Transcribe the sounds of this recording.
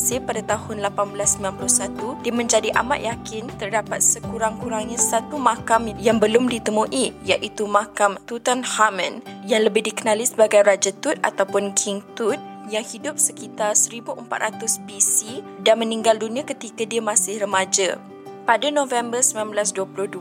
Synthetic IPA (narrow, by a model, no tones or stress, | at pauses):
sɪpadat̪ahʊnlapanbəlasːəmbinanplʊsat̪udiəmə̃ɲd͡ʒadiʔa̰ma̰ʔ̪̚jakɪnt̪ərdapat̪̚səkuɾaŋkuɾaŋɲãsat̪umãkamjaŋbəlʊmdit̪əmuʔijaʔit̪umakamt̪ut̪anhamə̃njaŋləbɪhdikənalisəbaɡajɾad͡ʒat̪ut̪̚a̰t̪awpʊnkʰiŋt̪ut̪̚jaŋhidʊp̚səkit̪arsəɾibuʔəmpa̰t̪̚rʔat̪ʊsbisidanmənĩŋɡaldunĩãkət̪ikadiəmasɪhrəmad͡ʒa̰ | padanõvɛmbərsəminãnbəlasduəpulʊhdu